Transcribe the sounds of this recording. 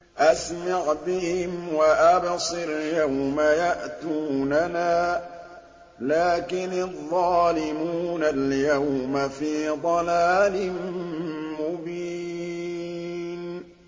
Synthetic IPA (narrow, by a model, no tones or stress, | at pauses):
ʔasmɑʕbɪhɪmwaʔabsˤɨɾjawmajaʔt̪uːnanaː | laːkɪnɑðˤːɑːlɪmuːnaljawmafiːd̪ˤɑlaːlɪm | mʊbiː | n